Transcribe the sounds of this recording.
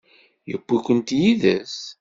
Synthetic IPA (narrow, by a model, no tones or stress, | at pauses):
jəkʷːikʷənt̪jiðə̰s